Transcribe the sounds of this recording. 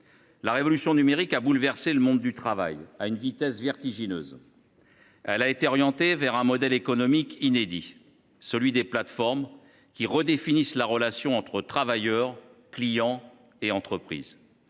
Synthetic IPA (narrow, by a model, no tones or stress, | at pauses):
laʁevɔlysjɔ̃nymeʁikabulvɛʁseləmɔ̃d̪ːyt̪χava̰jaynvit̪ɛsvɛʁt̪iʒinø̰ːz | ɛlaet̪eɔʁjɑ̃t̪evɛʁɛ̃mɔd̪ɛlekɔnɔmikined̪i | səlɥid̪eplat̪fɔʁm | kʲiʁəd̪efinislaʁəlasjɔ̃ɑ̃t̪χət̪χavajœʁklijɑ̃ | eɑ̃t̪χəpχḭːz